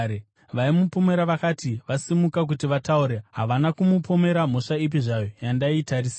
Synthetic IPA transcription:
ʋaimupome̞ɾaʋakatiʋasimukak̬utiʋatauɾeɦaʋanakumupome̞ɾam̤o̞ʂaip̬iʐajo̞jandaitaris

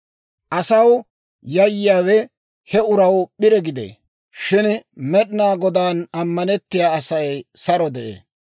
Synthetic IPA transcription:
ʔɐsɐw | jɐjːɪaːwɛ | hɛʊɾɐwɓɪɾɛɡɪd̪ḛː | ʃɪnmɛɗnaːɡɔd̪aːnɐmːɐnɛt̪ːɪjaːɐsɐjsɐɾɔd̪ɛʔḛː

